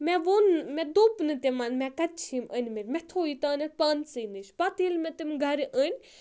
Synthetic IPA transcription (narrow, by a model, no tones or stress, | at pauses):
mɛʋonmɛ̃d̪opnɨt̪ʲemanmɛ̃kɐt͡ʃʰimənʲmeɾʲmɛt̪ʰoːit̪aːnepaːnsɨːnɨʃpat̪iːlmɛ̃t̪imʲɡʱɐɾʔənʲ